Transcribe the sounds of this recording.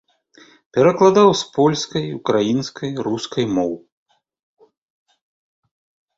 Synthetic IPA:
pʲɛɾɐklˠad̪awspɔlʲskɐjukɾajinskɐjɾuskʰɐjmɔw

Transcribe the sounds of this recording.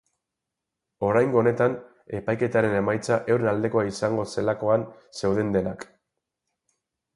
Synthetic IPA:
o̞ɾajŋɡo̞ːne̞t̪an | e̞pajke̞t̪aɾe̞ne̞majt͡saʔewɾenald̪e̞ko̞aisaŋɡo̞se̞lako̞an | se̞wðe̞nd̪e̞nak

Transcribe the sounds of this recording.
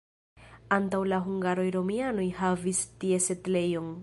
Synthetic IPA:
antawlaɦuŋɡaɾo̞jɾo̞miano̞jhavistie̞setle̞jon

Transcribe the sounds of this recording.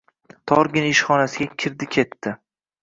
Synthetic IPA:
t̪ʰɒɾɡʲɪnɪʃχɒnasɪɡʲakʲʰɪɾd̪ɪkʲʰe̞t̪ːɪ

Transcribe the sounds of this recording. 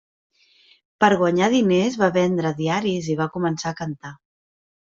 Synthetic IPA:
pəɾɣwəɲaðinezβaβɛnd̪ɾəðiaɾiziβ̞akumənsaːkənt̪a

